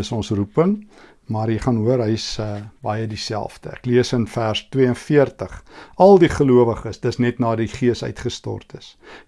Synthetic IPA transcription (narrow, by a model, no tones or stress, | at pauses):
əsɔnsrupəŋ | mɐrjiχɑnɦuəɾɦəjsəbɐjədisæ̰lˠfd̥ə̰æ̰kliəsənfærstwiəənfiərtəχɐlˠdiχəluəvəχəsdəsnɛtnɑːdiχiəsœ̰ɥtχəstɔ̰rtəs